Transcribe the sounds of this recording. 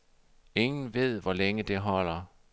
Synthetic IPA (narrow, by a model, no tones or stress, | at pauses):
e̝ŋn̩ʋe̝ð̞̰ˠʋɒleŋəd̥e̝ɦɒ̽l̰ɐ